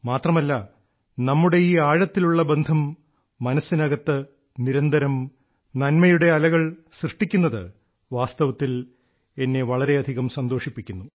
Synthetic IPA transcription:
maːt̪rɐmɐlːɐ | nɐmːuɽe̞iːaːɻɐt̪ːiluɭːɐbend̪ʱɐmː | ɐnɐsːinɐɣɐt̪ːɨ | niɾɐnd̪ʱɐɾɐm | nɐnmɐjuɽe̞ɐlɐɣɐɭsrɨʂʈːikʲːunːɐðɨ̰ | ʋaːst̪ɐʋɐt̪ːil | e̞nːe̞ʋɐɭɐɾe̞ɐd̪ʱiɣɐmsɐnd̪o̞ːʂipːikʲːunːu

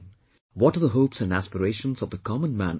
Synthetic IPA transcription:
wɔʈəðəɦoʊpsæ̃nɖæspəɾeɪʃə̃nzɔvd̪əkʰɑmə̃nmæ̃n

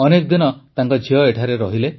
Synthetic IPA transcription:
ɔnek̚d̪inɔt̪aŋkɔd͡ʒʱiɔeʈʰaɾeɾɔɦile

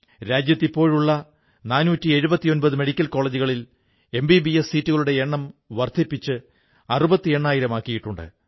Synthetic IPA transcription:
ɾaːd͡ʑjɐt̪ːipːo̞ːɻuɭːɐ | naːnuːtːie̞ɻubɐt̪ːijo̞nbɐðɨmeɽikʲːɐlko̞ːɭed͡ʑuɣɐɭil | e̞mbibiessiːtːuɣɐɭuɽe̞eɳːɐmʋɐrt̪ʰipːit͡ɕːɨ | ɐrubɐt̪ːie̞ɳːaːjiɾɐmaːkːijiʈːuɳɖɨ̰

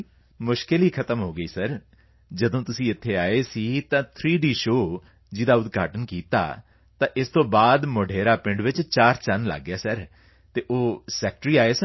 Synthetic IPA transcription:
mʊʃkɪliːkʰət̪əmɦoːɡəiːsəɾ | d͡ʒəd̪õːt̪ʊsĩːɪt̪ʰːeːaːeːsiːt̪ãːt̪ʰɾiːɖiːʃoː | d͡ʒɪd̪aːʊd̪ɡa̰ːʈənkiːt̪a̰ː | t̪ãːʔɪst̪õːbaːd̪mʊɖʱeːɾaːpɪ̃ɳɖʋɪt͡ʃt͡ʃaːɾt͡ʃənlə̰ɡːjaːsəɾ | t̪eːʔoːsɛːk̚ʈɾiːaːeːsə

